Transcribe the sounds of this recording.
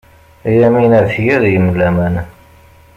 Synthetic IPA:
jæminæðfjəðjəmlːæmæn

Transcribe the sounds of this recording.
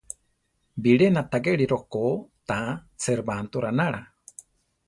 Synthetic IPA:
biɺenat̪aɡeɺiɾokot̪at͡seɾbant̪uɾanaɺa̰

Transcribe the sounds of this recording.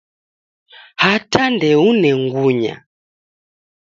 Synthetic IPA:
hatandɛunɛŋɡuɲa̰

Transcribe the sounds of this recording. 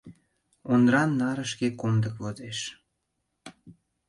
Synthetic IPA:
ond̪ɾɑnːɑɾəʃkekond̪əkβod̪eʃ

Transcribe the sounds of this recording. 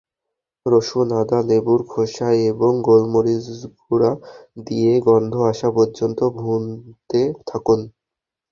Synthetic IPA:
ɾoʃunad̪alebuɾkʰoʃajeboŋɡolmoɾizbuɾad̪ieɡɔnd̪ʱoaʃapoɾd͡ʑont̪obʱunt̪et̪ʰakun

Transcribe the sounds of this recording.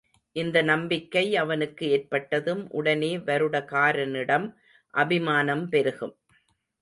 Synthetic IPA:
ʔɪnd̪ɐnɐmbɪkːɐɪɐʋɐnɯkːɯeːrpɐʈːɐðɯmʔʊ̰ɽɐneːʋɐɾɯɽɐkaːɾɐnɪɽɐm | ʔɐbɪmaːnɐmpɛɾɯɣɯm

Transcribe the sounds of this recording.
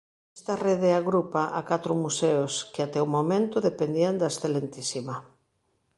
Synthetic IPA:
est̪areðeaɣɾupaʔakat̪ɾʊmuseoskeat̪ɛomomẽnt̪ʊðepend̪iand̪aesθelent̪isima

